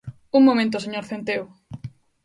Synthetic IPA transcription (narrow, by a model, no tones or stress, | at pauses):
uŋmõmẽnt̪oseɲoɾθent̪ew